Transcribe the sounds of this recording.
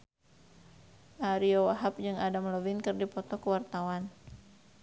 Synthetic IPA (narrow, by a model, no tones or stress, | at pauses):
ʔaɾiɔwaɦap̚d͡ʒɨŋadamləvinkɨrdipɔt̪ɔkəwart̪awan